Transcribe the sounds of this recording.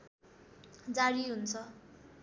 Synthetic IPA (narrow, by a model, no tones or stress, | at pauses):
d͡zaɽiɦunt͡sʰʌ